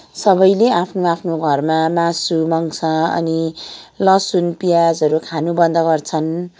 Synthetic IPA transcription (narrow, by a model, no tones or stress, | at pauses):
sʌbʌjleapʰnoapʰnoɡʱʌrmamasumʌŋsʰʌ̃ʌ̰nilʌsunpijad͡zʌɾukʰanubʌnd̪ʱʌɡʌrt͡sʰʌn